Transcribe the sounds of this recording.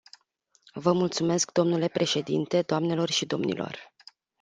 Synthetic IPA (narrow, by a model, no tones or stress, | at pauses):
vəmult̪sume̞skd̪o̞mnule̞pɾe̞ʃe̞d̪ḭnt̪e̞d̪oamne̞lo̞rʃid̪o̞̰mnḭlʔo̞̰r